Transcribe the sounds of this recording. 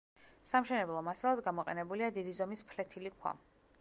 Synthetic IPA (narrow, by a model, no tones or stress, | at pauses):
samʃɛnɛblˠɔmasalˠad̪ɡamɔqʼɛ̰nɛbuliad̪id̪izɔmispʰlɛt̪ʰilikʰwa̰